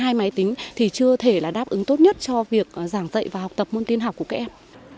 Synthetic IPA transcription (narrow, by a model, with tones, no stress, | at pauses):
ɦaː˧jma˨˦jt̪ï˨˦ŋ̟t̪ʰi˨˩t͡ɕɨ˧ət̪ʰe˧˩laː˨˩ɗaː˦˥p̚ʔɨ˨˦ŋt̪o˦˥t̚ɲə˦˥t̚t͡ɕɔ˧vi˨˩ək̚zaː˧˩ŋzə̰˧˨jvaː˨˩ɦa˨˩wk͡p̚t̪ə˨˩p̚mo˧nt̪i˧ənɦaː˨˩wkəka˦˥kʔɛ˧m